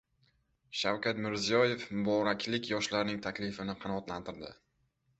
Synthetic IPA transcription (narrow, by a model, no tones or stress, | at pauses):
ʃawkʲat̪mɪɾzijɒje̞fmʊbɒɾakʲʰlɪkʲjɒʃlaɾnɪŋt̪ʰakʲlɪfɪnɪqʰɑnɒɒt̪lant̪ʰɪɾd̪ɪ̰